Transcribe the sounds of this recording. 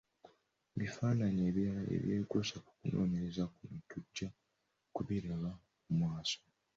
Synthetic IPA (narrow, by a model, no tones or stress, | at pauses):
βifaːnaɲeβḛβjeːɡosaku̥kuno̞̰ːne̞ɾezakumutuɟa | kuβiɾeβa | umwaːso̥